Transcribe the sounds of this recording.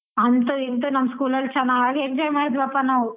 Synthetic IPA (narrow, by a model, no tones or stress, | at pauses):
ɐnt̪̬uint̪̬unɐmːɐskuːlɐlt͡ʃɐnːaɡaːɡek̚d͡ʒɐjmaːɽid̪uɐpːanawu